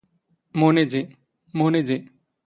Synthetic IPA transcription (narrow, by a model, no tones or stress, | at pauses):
moned͡ʒe | moned͡ʒe